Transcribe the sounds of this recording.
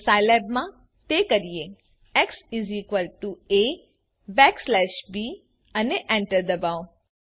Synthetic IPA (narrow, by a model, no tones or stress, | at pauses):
saɪlɛbmã | t̪ekəɾije | eksiziːkʋəlʈue | bɛːkslɛːʃbiː | əneʔɛ̃ɳʈəɾd̪ɐbaːõ